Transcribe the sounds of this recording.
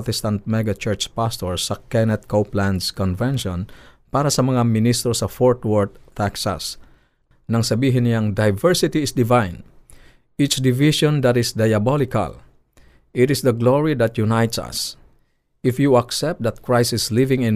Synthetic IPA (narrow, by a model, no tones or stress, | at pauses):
t̪ɛst̪ãnt̪̚mɛɡat͡ʃɛɹt͡ʃpast̪ɔɹsɐkɛnɛt̪̚kowplãnd̪skɔnvɛ̃nʃɔ̃n | paɾasɐmɐŋamɪnist̪ɾosɐfɔɹt̪wɔɹd̪̚t̪ʰaksa̰s | nɐŋsɐbiːɦɪnaŋd̪ajvɛɹsɪt̪iːsd̪ɪvãjn | it͡ʃd̪ɪviʃɔ̃nd̪at̪ɪsd̪ajabɔlɪka̰l | ʔɪt̪ɪsd̪ɐɡloɹid̪at̪junajt̪sɐ̰s | ɪfjuaksɛp̚t̚d̪ɐt̪̚kɹajsɪslivɪ̃ŋɪ̃n